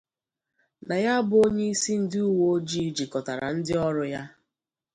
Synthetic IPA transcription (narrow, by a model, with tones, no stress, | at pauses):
na˨ja˦bʊ˨o˦ɲe˦i˦si˦n̩˦dɪ˦u˦wo˦o˦d͡ʒi˦d͡ʒi˨kɔ˨ta˨ɾa̰˨n̩˦dɪ˦ɔ˦ɾʊ˨ja˦